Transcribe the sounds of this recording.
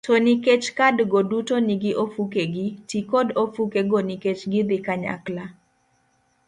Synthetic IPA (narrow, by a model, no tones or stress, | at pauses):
toniket͡ʃkadɡodutoniɡɪʔofukeɡɪtikodofukeɡoniket͡ʃɡɪd̪ɪkaɲa̰kla